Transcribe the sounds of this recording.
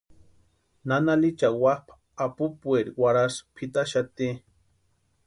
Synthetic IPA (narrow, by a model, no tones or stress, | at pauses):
nanalit͡ʃawahpʰ | apupueɾiwaɾaspʰit̪aʃat̪i